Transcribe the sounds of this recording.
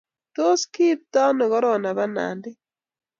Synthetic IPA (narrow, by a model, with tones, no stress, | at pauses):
to˦ski˦p̚t̪a˦nɔ˨ɡɔ˦ɾɔ˨na˨ba˦na̰˨ndɪ˦